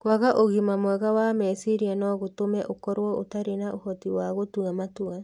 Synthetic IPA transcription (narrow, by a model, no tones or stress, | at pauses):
kwaɣaʔoɣimamwɛɣawamɛsiɾianɔɣotomɛʔokɔɾwɔotaɾenaohɔtiwaɣotuamatua